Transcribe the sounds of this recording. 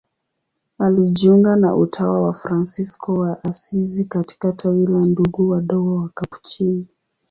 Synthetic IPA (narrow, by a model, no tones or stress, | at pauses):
aliʄiuŋɡana̰ʔṵtʰawawafɾansiskɔwaʔasizikati̥katʰawilanduɡuwaɗɔɡɔwakapu̥t͡ʃini